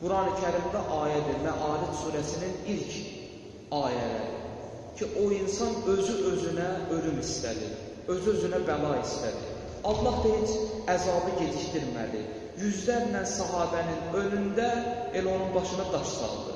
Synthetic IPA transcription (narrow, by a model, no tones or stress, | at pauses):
b̥uɾɑːnicʰæɾimd̪æʔɑːjæd̪iɾvæʔɑːɾit̪suːɾæsininilcʰ | ɑːijæ̰læ̰ɾḭ | cʰiʔo̞insɑnø̞zyʔø̞zynæøɾymist̪æ̰d̪ḭ | ø̞zyø̞zynæbælˠɑist̪ʰæd̪ḭ | ɑd̪lˠɑhd̪eɦit͡ʃʰæzɑːbiɟe̞d͡ʒ̪iʃt̪iɾmæ̰d̪ḭ | jyzlæɾnænsæɦɑːd̪æninø̞lynd̪æe̞læo̞nunbɑʃɯnɑd̪ɑʃsɑ̰lˠd̪ɯ̰